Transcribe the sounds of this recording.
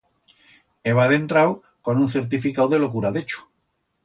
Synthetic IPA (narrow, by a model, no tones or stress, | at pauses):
eβaðẽ̞nt̪ɾaw | konũnθe̞ɾt̪̬ifikawðelo̞kuɾaðet͡ʃu̥